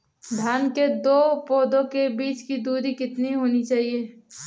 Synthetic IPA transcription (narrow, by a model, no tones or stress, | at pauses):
d̪ʱjaːnked̪oːpoːd̪õkebiːt͡ʃkid̪uːɾikɪt̪niɦoːnit͡ʃaːɦieː